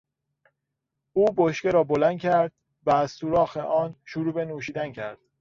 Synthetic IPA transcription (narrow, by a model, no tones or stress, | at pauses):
uːboʃceɾɒːbolænd̪̚cʲʰæɾd̪̥ | væːzsuːɾɒːxeʔɒːnʃuɾuːbe̞nuːʃiːd̪æncʰæ̰ɾd̪̥